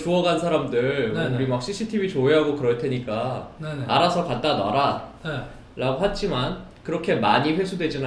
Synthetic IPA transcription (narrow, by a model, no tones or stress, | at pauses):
t͡ɕuʌɡansʰaɾamdɯɭuɾimak̚ɕ͈isʰitʰibit͡ɕoeɦaɡokɯɾʌɭtʰe̞ɲik͈a | aɾasʰʌkat̚t͈ana̰ɾa | ɾaɡoɦad͡ʑ͈imankɯɾʌkʰe̞maɲiɸwe̞sʰudwe̞d͡ʑina